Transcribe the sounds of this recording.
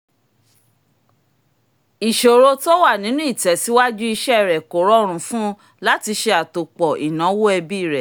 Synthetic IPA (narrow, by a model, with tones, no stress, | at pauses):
i˨ʃo˨ɾo˧to˦wa˦˨nĩ˨˦nũ˦i˦˨tɛ˨˦si˦wa˦d͡ʒu˦i˧ʃɛ˦˨ɾɛ˨ko˨ɾɔ˦ɾ̃ũ˨˧fũ˦ | la˦ti˧ʃe˧a˨to˨k͡pɔ˨ʔi˨nã˨˦wo˦ɛ˧bi˦˨ɾɛ˨